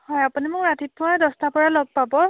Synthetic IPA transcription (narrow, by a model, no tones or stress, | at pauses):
hɔjapunimʊkɹatʰitʰːʊwadɔstapɔɹalɔɡ̚pabɔ